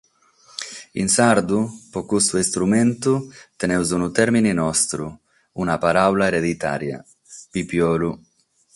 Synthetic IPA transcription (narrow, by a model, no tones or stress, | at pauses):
ḭnsaɾd̪upɔkust̪uist̪ɾumɛnt̪ut̪enɛwzunut̪ɛɾmininɔst̪ɾu | unapaɾawlaeɾed̪it̪a̰ːɾja̰ | pipjɔːlu